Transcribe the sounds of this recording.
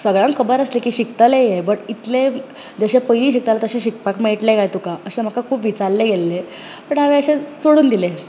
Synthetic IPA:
səɡɭãŋkkʰːəbəɾəslekiːɕik̚t̪alejebəɽit̪le | d͡zəɕẽpəjliːɕik̚t̪alat̪əɕẽɕik̚pakmeɭʈlekajt̪ukaəɕem̤əkakʰuːpʋit͡saɾleɡelːe | pəɳaʋeəɕẽt͡soɽuːnd̪ile

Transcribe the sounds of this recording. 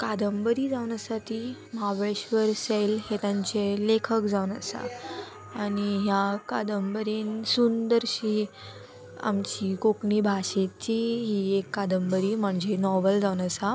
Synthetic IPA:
kad̪əmbɾiːd͡zaʋnjasaʈ̪iməɦaʋɾəɕʋəɾsejlɦet̪ãɲt͡ɕelekʰəkd͡zawnəsa̰ | aɽiɦjakad̪əmbəɾinsund̪əɾɕiː | a̰mt͡ɕiːkokɳiːbʱaɕet͡ɕiɦiːekːad̪əmbəɾiːm̤əɳd͡zenɔʋəld͡zaʋwnəsa

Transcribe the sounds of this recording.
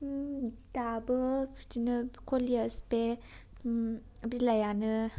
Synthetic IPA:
dabɯd͡ʒinɯkʰoliəspe | bilajanɯ

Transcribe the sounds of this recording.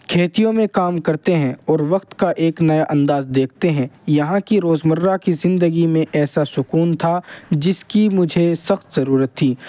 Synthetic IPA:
kʰeːt̪ijõmẽkaːmkɐɾt̪eɦɛ̃ɔːɾʋɐqt̪kaʔeːknɐjaʔɐ̃nd̪aːzd̪eːk̚ʰt̪eɦɛ̃ːjɐɦãkiɾoːzmərːakizɪ̃nd̪əɡimẽʔɛːsasʊkuːnt̪ʰad͡ʒɪskimʊd͡ʒʱesɐxt̪zɐɾuːɾət̪ʰːiː

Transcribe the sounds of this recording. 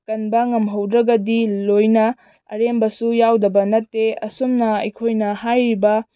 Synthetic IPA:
kɐnbɐŋɐmɦɐwd̪ɾɐɡɐdilojnɐ | ɐ̰ɾembɐsujawdɐbɐnɐtːeɐ̰somnɐɐ̰jkʰojnɐhajɾibɐ

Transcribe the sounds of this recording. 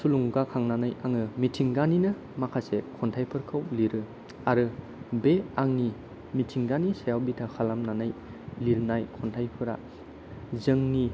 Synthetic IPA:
suluŋɡakʰaŋnanajaŋɯmitʰiŋɡaninɯ | makʰasekʰɔntʰajpʰɯɾkʰawliɾɯ | aɾɯ | beaŋni | mitʰiŋɡanisajawbitʰakʰalamnanaj | liɾnajkʰɔntʰajpʰɯɾa̰ | zɯŋni

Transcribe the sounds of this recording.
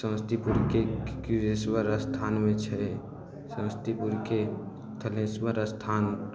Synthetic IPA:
sə̃wst̪ʰipuɾkekuɾeswəɾəst̪ʰaːnmẽt͡ʃʰɛe | sə̃wst̪ʰipuɾke | t̪ʰəlẽswəɾəst̪ʰaːn

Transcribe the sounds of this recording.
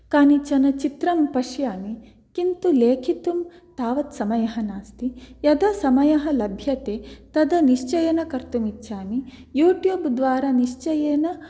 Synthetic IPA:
kaːnit͡ʃɐnɐt͡ʃit̪ɾɐmpɐʃjaːni | kint̪uleːkʰit̪um | t̪aːʋɐt̪sɐmɐjɐɦɐnaːst̪ijɐd̪ɐsɐmɐjɐɦɐ̆lɐbʱjɐt̪eːt̪ɐd̪ɐniʃt͡ʃɐjɐnɐkɐɾt̪umiːʃʰaːni | juːʈjuːbd̪ʋaːɾɐniʂt͡ʃɐjeːnɐ

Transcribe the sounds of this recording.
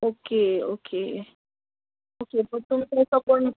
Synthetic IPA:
okeo̰ke | okepəɽt̪umtasakoɳ

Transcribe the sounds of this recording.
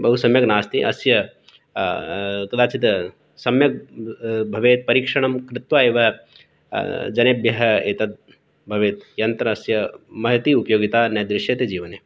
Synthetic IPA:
bɐɦusɐmjɐknaːst̪iʔɐ̰sjɐ | t̪ulaːt͡ʃit̪ɐ | sɐmjɐk̚bʱɐʋeːt̪̚pɐɾiːkʂɐɳɐmkɾɪt̪ʋaːeːʋɐ | d͡ʒɐneːbjɐɦɐeːt̪ɐt̪̚ | bʱɐʋeːt̪jɐnt̪ɾɐːsjɐmɐɦit̪iːupɐjoːɡit̪aːnɐjd̪ɾɪʃjɐt̪ed͡ʒiːʋɐneː

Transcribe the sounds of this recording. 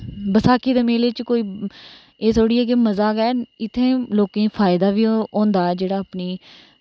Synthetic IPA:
bəsaːkiːd̪eːmeːleːt͡ʃkoːiː | eːt̪ʰoːɽiːɛːk̬eməzaːɡɛːɪt̪ʰːẽːloːkẽːpʰaːɪd̪aːʋiːõːnd̪aːɛːd͡ʒeːɽaːəpniː

